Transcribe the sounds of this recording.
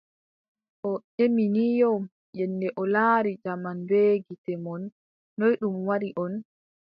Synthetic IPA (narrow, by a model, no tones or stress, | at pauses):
ʔɔeminijɔ | jɛnːdɛʔɔlaːɾid͡ʒamanbeːɡitɛmɔnː | ojɗumwaɾiʔɔn